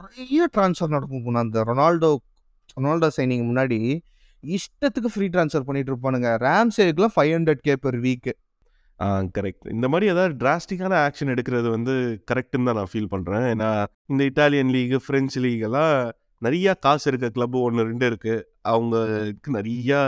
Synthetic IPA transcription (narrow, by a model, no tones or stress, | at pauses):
kʊɾɐjɐʈɾaːnsfɐɾnɐɽɐkːɯ̃pʊnaːnd̪ɐɾɔnaːlɖo | ɾɔnaːlɖoːsɐɪnɪŋɡmʊnːaːɽi | ɪʂʈːɐt̪ːɯkːɯfɾiːʈ̬ɾaːnsfɐɾpɐɳːɪʈ̬ːɾɯpːɐnːɯŋɡɐɾaːmsɛɾɯkːɯlãːfɐjɐɳɖɐʈ̚keːpɐɾʋiːkːɯ | ʔaːkɐɾɛk̚ʈɪ̰nd̪ɐmaːd̪ɾiɐðaːðɯɖɾaːsʈɪkːaːnɐaːkʂɐnɛɽɯkːɪɾɐðɯʋɐnd̪ɯkɐɾɛk̚ʈɯnt̪ãːnãːfiːlpɐɳːɾẽːeːnːaː | ɪnd̪ɐɪʈːaːlɪjɐnliːɡɯfɪɾɛnt͡ʃliːɣɐlãː | nɐɾɐjaːkaːsɪɾɯk̬ːɐkɪlɐbːɯɔnːɯɾɛɳɖɯɪɾɯkːɯ | ʔɐʋɐŋɡɐkːɯnɐɾɪjaː